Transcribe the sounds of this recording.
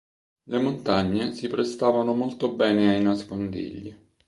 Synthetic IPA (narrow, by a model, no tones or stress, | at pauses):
lemont̪aɲːesipɾest̪aːvanomolt̪obɛːneajnaskond̪ḭʎːi